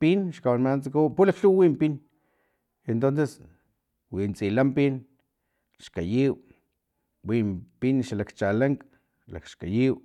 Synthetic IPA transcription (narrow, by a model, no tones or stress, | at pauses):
pinʃkawanmant͡sakuwpulakɬuwwimpin | ent̪onses | wint͡silampin | ʃkajiw | wimpinʃalakt͡ʃalaŋk | la̰kʃkajiw